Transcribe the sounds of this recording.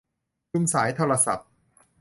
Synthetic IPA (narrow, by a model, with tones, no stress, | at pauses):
ju˧˥ŋsaː˩˦jt̪ʰoː˧ɾa˧sa̰˨˩p̚